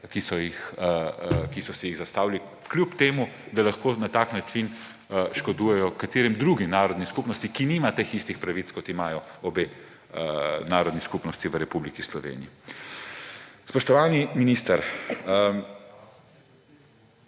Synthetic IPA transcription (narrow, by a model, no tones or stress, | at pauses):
kisɔjix | kisɔsɛjiɣzast̪aːwli | klʲupt̪eːmud̪alaxkoːnat̪aːknat͡ʃin | ʃkɔd̪uːjɛjɔkat̪eːɾimd̪ɾuːɡimnaːɾɔd̪niskupnɔst̪ikiniːmat̪exist̪ixpɾaʋit̪skɔt̪imaːjɔɔbeː | naːɾɔd̪niskupnɔst̪iʋəɾɛpublikislɔʋḛːnḭji | spɔʃt̪ɔʋaːniminiːst̪əɾ